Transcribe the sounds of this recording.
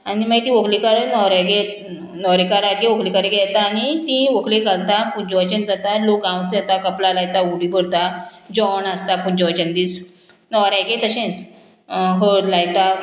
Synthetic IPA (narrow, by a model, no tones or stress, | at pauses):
añimaɡit̪ĩʋəklikaɾənɔɾaɡe | nɔɾikaɾaɡeʋokʰlikaɾiɡɛt̪aːnit̪ĩʋəkʰlekalt̪apud͡ʑɔʋat͡ɕənd͡zat̪alokãwsɛt̪akəplalajt̪auɽibəɽt̪ad͡ʑɔnast̪apud͡ʑɔʋat͡ɕənd̪iːs | nɔɾajɡet̪əɕẽt͡s | ɦəlajt̪a